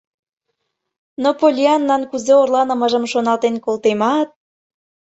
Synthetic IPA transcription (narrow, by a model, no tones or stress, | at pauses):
nopolʲiɑnːɑnkuzeorlɑnə̆məʒə̆mʃonɑlt̪enkolˠt̪emɑt̪̚